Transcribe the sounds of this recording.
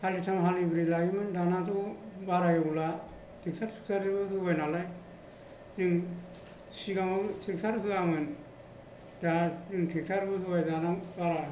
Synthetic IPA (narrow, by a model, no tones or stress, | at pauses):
halitʰamɦalibɾilaɡimɯndanatʰubaɾajɯbula | tʰik̚saɾtʰi̥k̚sʰaɾɯbɯɦɯbajnalaj | zɯŋ | siɡamɯtʰik̚saɾɯɦɯamɯn | dazɯŋtʰik̚tʰaɾɯbɯɦɯbajdanabaɾa